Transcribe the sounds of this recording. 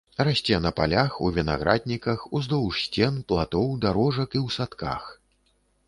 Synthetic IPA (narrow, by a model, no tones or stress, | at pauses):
rasʲt͡sʲɛnɐpa̰lʲaxuvʲina̰ɣɾʔad̪̚ʲnʲikɐxuzd̪ɔwʂsʲt͡sʲɛnplˠat̪ɔwd̪aɾɔʐɐkiwsat̪ka̰x